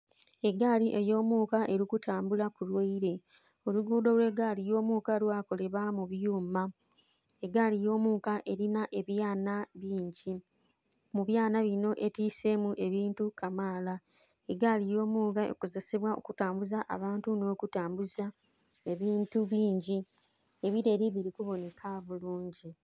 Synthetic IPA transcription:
e̞ɡaːliʔe̞jo̞ːmuːkaʔe̞ɾikutʰaːmbulakulwoiɾe̞ | o̞luɡuːdo̞lwe̞ːɡaːlijo̞ːmuːkalwaːko̞le̞βamuβjuːma | eɡaːlijo̞ːmuːkaʔe̞ɾinaʔe̞βjaːnaβiːɲɟi | muβjaːnaβino̞ʔetiːse̞muʔe̞βiːntukamaːla | e̞ɡalijo̞ːmuːɡaḛkoze̞seβwao̞̰kutaːmbuzaʔa̰βaːntuno̞ːkutaːmbuza | e̞βiːntuβiːɲɟi | e̞βiɾe̞ːɾiβiɾikuβo̞ne̞kʰaβuluːɲɟi

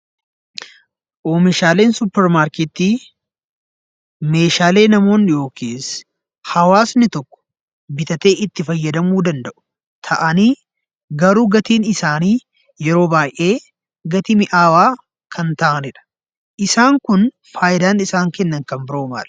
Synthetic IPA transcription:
ʔoːmɪʃaːle̞ːnsʊpːɛɾmaːɾkɛːt̪iː | me̞ːʃaːle̞ːnɐmo̞ːnjo̞ːkeːs | hɐwaːsnɪt̪ɔkːɔ̥ | bɪt̪ɐt̪e̞ːʔɪt̪ːɪfɐjːɐd̪ɐmuːd̪ɐnd̪ɐʔʊ̥ | t̪ʰɐʔɐniː | ɡɐɾuːɡɐt̪iːnɪsaːniː | jɛɾo̞ːbaːjʔe̞ː | ɡɐt̪ɪmɪʔaːwaː | kʰɐnt̪aːʔɐnɪᶑɐ̥ | ʔɪsaːŋkʊn | faːjɪd̪aːnɪsaːŋkɛnːɐŋkɐmbɪɾoːma̰ːl

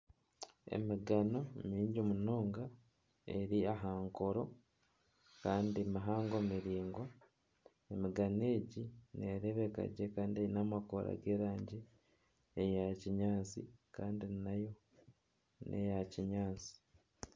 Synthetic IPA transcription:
e̞̰miɡano̞miːɲɟimuno̞ːŋɡa | eɾiaɦaːŋko̞ɾo̞ | kaːndimaɦaːŋɡomiɾiːŋɡwa | emiɡane̞ːɟineɾeβeka̰ɟekaːndieinamakoɾa̰ɡe̞ːɾaːɲɟiː | jaciɲaːt͡sḭkaːndinajo̞ | nʔḛjaciɲaːt͡si̥

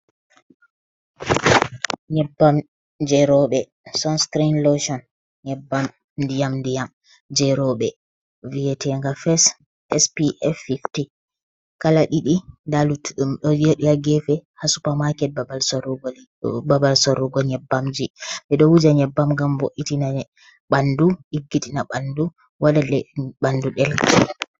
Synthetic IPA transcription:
ɲɛbam | d͡ʒɛɾɔɓɛ | sɔnskɾinloʃɔn | ɲɛbam | dijamdijam | d͡ʒɛɾɔɓɛ | viɛtʰɛŋɡafɛs | ɛspiʔɛfifti | kalaɗiɗidaluɗumɗɔjeɗiaɡɛfɛhasupamakɛt̚baalsɔɾɡ | babalsɔɾɔɡɔɲɛbːamd͡ʒiɓɛɗɔwud͡ʒaɲɛbːamŋɡamboʔːitina | ɓanduʔiɡːitʰʼinaɓandu | wadadɛɓanduɗɛlki

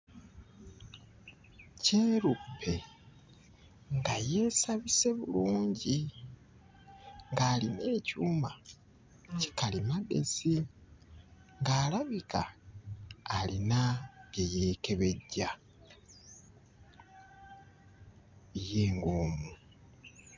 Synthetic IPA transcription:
ce̞ːɾupʰːe̞ | ŋɡaje̞ːsaβise̞βuluːɲɟi | ŋɡaːline̞ːcuːma | ci̥kalimade̞̰si | ŋɡaːlaβikaː | linaejeːke̞βe̞ɟːa | jeːŋɡoːmu

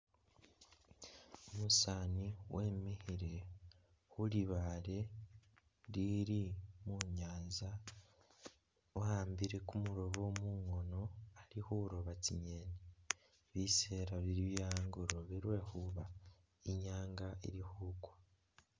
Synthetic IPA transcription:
omusaːniwʔemihiɾe̞ | huliβaɾe̞ | ɾiɾimuɲaːnza | ohaːmbiɾe̞kumuɾo̞βomuŋo̞no̞aɾihuɾo̞βatiɲene | βiseːɾaβiɾiβjaːŋɡuɾo̞βiɾwe̞ːhuβa | iɲaːŋɡaḭɾihuːkwḁ

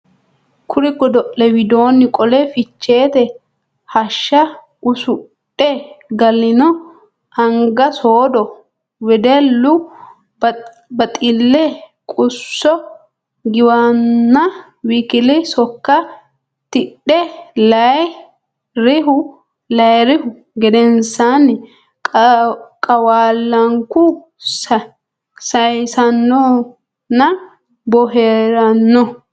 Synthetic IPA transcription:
kʰʊɾɪkːɔd̪ɔʔːɛwɪd̪o̞ːnːɪkʼɔlɛfɪt͡ʃːe̞ːt̪ɛ | hɐʃːɐ | ʔʊsʊ | ɗːɛɡɐlːɪnɔ | ɐŋɡɐsoːd̪ɔ | wɛd̪ɛlːʊ | bɐt̪ʼɪlːɛ | kʼʊsːɔ | ɡɪwanːɐ | wikɪlɪsɔkːɐ | t̪ɪɗːɛlɐ | ɾɪɦʊ | lɐjɾɪhʊ | ɡɛd̪ɛnsan | kʼɐwaːlːɐŋkʊ | sɐjsɐnːɔ | nɐ | bɔɦeːɾɐnːɔ

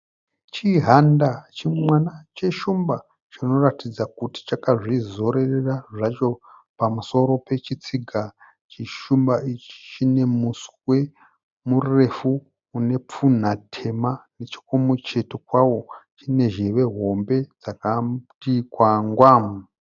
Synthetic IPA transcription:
t͡ʃiɦandat͡ʃimwanat͡ʃe̞ʃumba | t͡ʃino̞ratid͡zakuti̥t͡ʃakaʐizo̞ɾe̞reraʐat͡ʃo̞pamuso̞ɾo̞pe̞t͡ʃit͡siɡʱa | t͡ʃiʃumbaʔit͡ʃi̥t͡ʃine̞muswe̞ | mure̞fuː | ne̞p͡fun̤atʰe̞manet͡ʃi̥komut͡ʃe̞tokwawo̞t͡ʃine̞ʒeʋe̞ɦo̞mbe̞d͡zakatikwaŋɡwaːmu

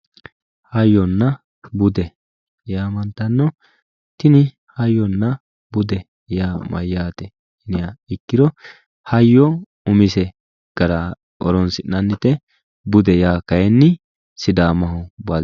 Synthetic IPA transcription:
hɐjːɔnːɐ | bʊd̪ɛ | jaːmɐnt̪ɐnːɔ | t̪ɪnɪ | hɐjːɔnːɐ | bʊd̪ɛ | jaːmɐ̰jːaːt̪ɛ | ɪnɪaɪkːɪd̪ɔ | hɐjːɔ | ʊmɪsɛ | ɡ̥ɐɾa | ɔɾɔnsɪʔːɐnːɪt̪ɛ | bʊd̪ɛjaːkɐjɛnːɪ | sɪd̪aːmɐɦʊba

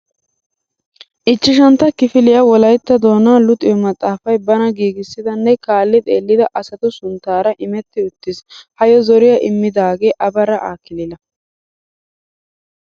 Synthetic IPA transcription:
ʔɪt͡ʃːɪʃ̬ɐnt̪ːɐkɪfɪlɪjɐwɔlɐjt̪ːɐd̪o̞ːnaːlʊt̪ʼɪjɔmɐt̪ʼːaːfɐjbɐnɐɡiːɡɪsːɪd̪ɐnːɛkaːlːɪt̪ʼe̞ːlːɪd̪ɐʔɐsɐt̪ʊsʊnt̪ːaːɾɐʔɪmɛt̪ːɪʊt̪ːɪshɐjɔzɔɾɪjɐʔɪmːɪd̪aːɡe̞ːʔɐbɐɾɐʔaːkɪlɪlɐ

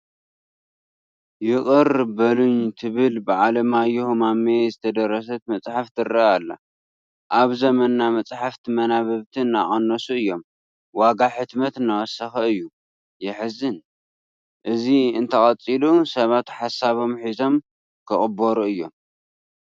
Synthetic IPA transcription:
jɪχʼɨɾbɐluɲt̪ʰɨβɨlbɨʕalɐmajuhmamezɨt̪ʰɐd̪ɐɾːɐs̬ɐt̪̚mɐt͡sʼħaft̪ʰɨrɐalːa̰ | ʔaβzɐmɐnːamɐt͡sʼħaft̪ʰimɐnaβɐβt̪ʰinːa̰ʔʼɐnːɐsuɨjːo̞m | waɡaħɨt̪mɐt̪ɨnːawɔsɐxɐɨjːu | jɪħɨzɨn | ʔɨziɨnt̪ʰɐχʼɐt͡sʼilusɐβat̪ħasaβo̞mħizo̞m | kʰɨχʼɨboɾuɨjːo̞̰m

